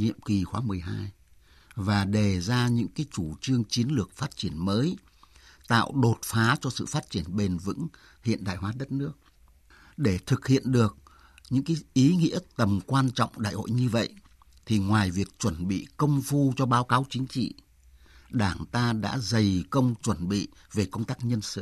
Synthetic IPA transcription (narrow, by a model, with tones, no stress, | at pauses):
ɲḭ˧˨əmki˨˩xwaː˨˦mɨ˨˩əjɦaː˧j | vaː˨˩ɗe˨˩zaː˧ɲɨ̰˧˥ŋkaː˨˦jt͡ɕu˧˩t͡ɕɨ˧əŋt͡ɕi˨˦ənlɨ˨˩ək̚faː˦˥t̚t͡ɕi˧˩ənməː˨˦j | t̪a̰ː˧˨wɗo˨˩t̚faː˨˦t͡ɕɔ˧sɨ̰˧˨faː˦˥t̚t͡ɕi˧˩ənɓe˧˩nvɨ̰˧˥ŋ | hḭ˧˨ənɗa̰ː˧˨jɦwaː˨˦ɗə˦˥t̚nɨ˦˥ək̚ | ɗe˧˩t̪ʰɨ˨˩k̚hḭ˧˨ənɗɨ˨˩ək̚ | ɲɨ̰˧˥ŋkaː˨˦jʔi˨˦ŋḭ˧˥ət̪ə˨˩mkwaː˧nt͡ɕɔ̰˧˨wŋ͡mɗa̰ː˧˨jho̰˧˨jɲɨ˧və̰˧˨jʔ | t̪ʰi˨˩ŋwaː˨˩jvi˨˩ək̚t͡ɕwə˧˩nɓḭ˧˨kə˧wŋ͡mfu˧t͡ɕɔ˧ɓaː˨˦wkaː˨˦wt͡ɕï˨˦ŋ̟t͡ɕḭ˧˨ | ɗaː˧˩ŋt̪aː˧ɗa̰ː˧˥zə˨˩jkə˧wŋ͡mt͡ɕwə˧˩nɓḭ˧˨ | ve˨˩kə˧wŋ͡mt̪aː˦˥k̚ɲə˧nsɨ̰˧˨